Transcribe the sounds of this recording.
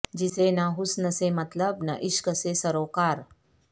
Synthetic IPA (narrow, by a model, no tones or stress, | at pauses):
d͡ʑisenaɦusnəsemət̪ləbnə̰ʔiʃkəsesəɾokaɾ